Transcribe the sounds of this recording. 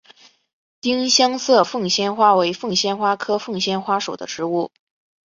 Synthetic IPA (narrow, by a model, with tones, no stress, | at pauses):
t̪i˥ŋɕjɑ˥ŋsɤ˥˧fɤ˥˩ŋɕjɛ˥nxwa˥we˧˥ɪfɤ˥˩ŋɕjɛ˥nxwa˥kʰɤ˥fɤ˥˧ŋɕjɛ˥˩nxwa˥ʂo˨˩ʊd̪ə˦ʈ͡ʂɻ̩˧˥u˥˩